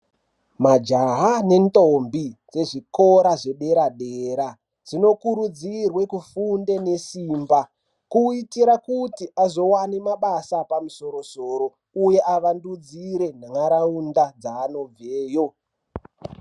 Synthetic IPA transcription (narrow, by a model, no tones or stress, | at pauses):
mad͡ʒaɦane̞ntʼombid͡ze̞ʐiko̞ɾaʐe̞ɗe̞ɾaɗeɾa | d͡zino̞kuɾud͡zirwe̞kufunde̞ne̞siːmba | kuitiɾakutiʔazo̞wanemaɓasapamuso̞ɾo̞soːɾo̞ | uje̞ʔaʋandud͡ziɾe̞naŋaɾaundad͡zaːno̞b͡veːjo̞